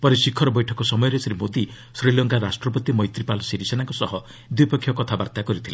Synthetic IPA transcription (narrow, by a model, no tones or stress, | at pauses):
pɔɾesikʰːɔɾɔbɔjʈʰɔkɔsɔmɔjɔɾesɾimod̪i | sɾilɔŋkaɾasʈɾɔpɔt̪imɔjt̪ɾipalɔsiɾisenaŋkɔsɔɦɔ | d̪wipɔkʰːjɔkɔt̪ʰabaɾt̪akɔɾit̪ʰila